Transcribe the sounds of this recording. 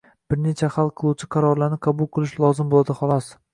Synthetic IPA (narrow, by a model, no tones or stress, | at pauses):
b̥ɪɾne̞t͡ʃʰaχalˠqʰɨlˠuwt͡ʃʰɪ̥qʰɑɾɒɾlaɾnɪqʰɑbʊlˠqʰɨlˠɪʃlˠɒzɪmbolˠad̪ɪχɒlˠɒs